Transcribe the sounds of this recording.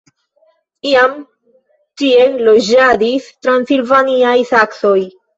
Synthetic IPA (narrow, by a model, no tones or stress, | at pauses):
iam | tielod͡ʒad̪istɾansilvaniajsaksoj